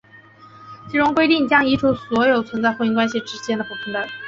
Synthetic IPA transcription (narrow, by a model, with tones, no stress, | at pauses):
t͡ɕʰi˧˥ʈ͡ʂʊ˥ŋkwe˥ɪt̪i˥˩ŋt͡ɕjɑ˥ŋi˧˥ʈ͡ʂʰu˧˥swɔ˧˥jo˨˩ʊt͡sʰwə˧˥nt͡sa˥˧ɪxo˥˩i˧˥ŋkwa˥nɕi˧˩ʈ͡ʂɻ̩˥t͡ɕjɛ˥nd̪ə˨pu˥˩pʰi˧˥ŋt̪a˥˩˦